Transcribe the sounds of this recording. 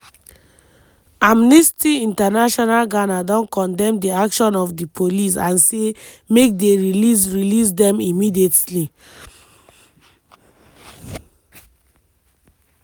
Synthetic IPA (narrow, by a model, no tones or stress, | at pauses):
amnistiĩntanaʃɔnalɡanadɔ̃nkɔ̃ndɛ̃mdiakʃɔ̃nɔfdipʰolis̬ãnse | mek̚deɹilis̬ɹilis̬dɛ̃mimidietli